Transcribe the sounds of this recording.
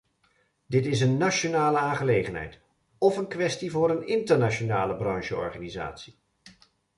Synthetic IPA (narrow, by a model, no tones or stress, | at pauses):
dɪtɪs̬ənːaʃonaːləaːnχəlejχənɦɛ̰jt | ɔfənkʋɛstivʊːɾənɪntəɹnaʃonaːləbrɑŋʃəɔ̰ɹχaːniza̰ːtsi̥